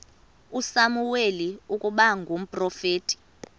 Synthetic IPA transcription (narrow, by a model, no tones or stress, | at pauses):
usamuweliukʼuɓaŋɡʱom̩pʼrɔfeːtʼi̥